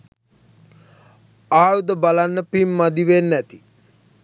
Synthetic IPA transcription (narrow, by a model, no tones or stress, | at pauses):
aːjud̪əbalanːəpimːad̪iʋenːɛt̪i